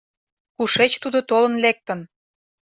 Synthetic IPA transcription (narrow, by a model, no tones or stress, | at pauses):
kuʃet͡ɕt̪ud̪ot̪olə̆nlek̚t̪ən